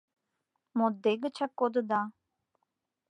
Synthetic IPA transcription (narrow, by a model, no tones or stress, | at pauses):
mod̪eɡət͡ɕʰakːod̪əd̪a